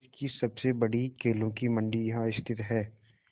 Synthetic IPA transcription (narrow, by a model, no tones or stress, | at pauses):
kisɐbsebɐɽikeːlõkimɐ̃ɳɖijɐɦãɪst̪ʰɪt̪ɦɛː